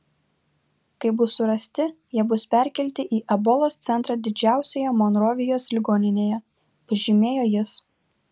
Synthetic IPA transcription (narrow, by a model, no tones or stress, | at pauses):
kɐɪbʊsʊɾɐsʲt̪ʲɪjiɛbʊspʲɛˑɾʲkʲɛlʲt̪ʲɪʔiːʔɐbɔlˠoːst̪sʲɛnt̪ɾɑːd̪ʲɪd͡ʒʲæˑʊsʲoːjɛmoːnɾoːʋʲɪjoːslʲɪɡoːnʲɪnʲeːjɛ | pɐʒʲɪmʲeːjoːjɪs